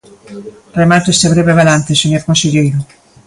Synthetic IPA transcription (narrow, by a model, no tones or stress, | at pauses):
remat̪oest̪eβɾeβeβalãnt̪eseɲoɾkõnseʎejɾo